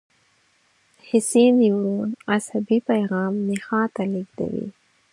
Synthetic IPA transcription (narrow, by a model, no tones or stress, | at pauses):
hɪsid̪iwɾunashabipajɣɑːmnɪxɑ̃t̪aliɡd̪a̰wḭ